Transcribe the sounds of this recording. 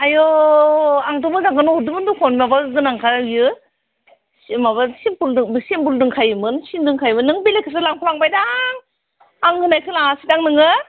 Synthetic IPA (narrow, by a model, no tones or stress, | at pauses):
ajɔ | aŋtɔmɯzaŋkɯnɔhɔdumɯndukʰɔnimabazɯnaŋkʰajɯ | simabasimpuldɯŋsimbuldɯŋkʰajɯmɯnsindɯŋkʰajmɯnːɯŋbilekʰɯs̬alaŋpʰulaŋbajdaŋ | aŋhɯnajkʰɯlaŋasitaŋnɯŋɯ